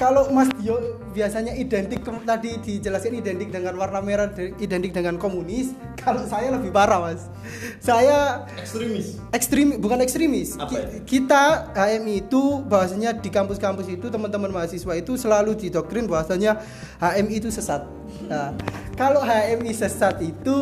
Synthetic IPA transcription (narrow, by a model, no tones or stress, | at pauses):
kaloʔmasd̥io | biasaɲaʔidɛnt̪ɪkːəmt̪adid̥id͡ʒəlasɡanidɛnt̪ɪk̚dəŋanwarnameɾadəidɛnt̪ɪk̚dəŋankomunɪs | kaloʔsajaləbihpaɾamas | saja | sis | ɛkst̪ɾimbukanɛkst̪ɾimɪskikit̪aɦaɛmiːt̪ubaɦasaɲadikampʊskampʊsit̪ut̪əmənt̪əmənmaɦasiswait̪usəlaludidɔk̚t̪ɾɪnbaɦasaɲa | haʔɛmit̪usəsat̪̚ | akaloʔɦaɛmisəsat̪it̪u